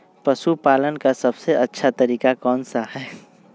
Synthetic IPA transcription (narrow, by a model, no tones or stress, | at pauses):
pɐʃupaːlənkasɐbseɐtːʃʰat̪ɐɾiːkakɔːnsahɛː